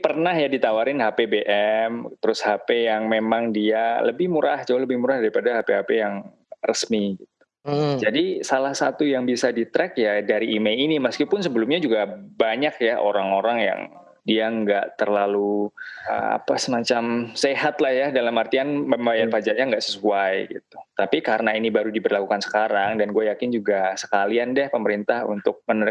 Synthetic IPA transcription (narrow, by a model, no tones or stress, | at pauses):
pərnahjadit̪awaɾɪnɦapebeʔɛmt̪əɾʊshapejaŋmemaŋdialəbɪhmuɾa̰ht͡ʃaaləbɪhmuɾahdaɾipadahapeɦapejaŋ | rəsmiɡit̪̚u̥ | d͡ʒadisalahsat̪ujaŋbisadit̪ɾɛkjadaɾiʔːmeliniməskipʊnsəbəlʊmɲad͡ʒuɡabaɲakjaoɾaŋoɾaŋja̰ŋ | diaŋɡaʔt̪ərlaluə̰a̰pasəmat͡ʃamseɦat̪lahjahdalamart̪ianməmajarpad͡ʒaʔɲaŋɡaʔsəsuajɡḭt̪̚u̥t̪apikaɾənainibaɾudibərlakukansə̥kaɾaŋdanɡuajakɪnd͡ʒuɡasə̥kaliandɛhpəməɾint̪ahṵnt̪ʊk̚mənəɾ